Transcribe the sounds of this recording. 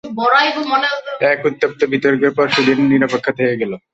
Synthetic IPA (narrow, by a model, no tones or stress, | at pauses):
bɔɾaebomoneoɛkut̪ːap̚t̪obit̪oɾkeɾpɔɾʃud̪ʱinenːiɾapekʰːat̪ʰekeɡɛlo